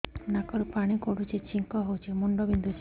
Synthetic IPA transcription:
nakɔɾupaɽ̃ikoɽut͡ʃʰet͡ʃiŋkɔɦowt͡ʃʰemuɳɖɔbind̪ut͡ʃe

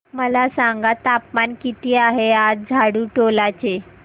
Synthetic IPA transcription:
məlasãŋɡat̪apmankit̪iːaɦead͡zd͡zʱaɽuːʈolat͡ɕe

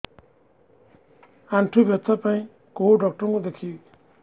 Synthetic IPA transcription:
aɳʈʰubjɔt̪ʰapaĩ | kouɖɔk̚ʈɔɾɔ̃ŋkud̪ekʰi

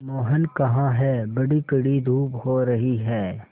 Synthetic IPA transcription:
moːɦənkɐɦãɦɛbɐɽikɐɽid̪ʱuːphoːɾɐɦiɦɛː

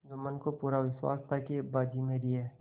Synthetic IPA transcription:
d͡ʒəmənkopuːɾaʋɪswa̰ːst̪ʰakebaːd͡ʒimẽɾieː

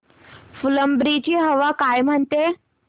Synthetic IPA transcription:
fuləmbɾit͡ɕiːɦəʋakajm̤əɳt̪e

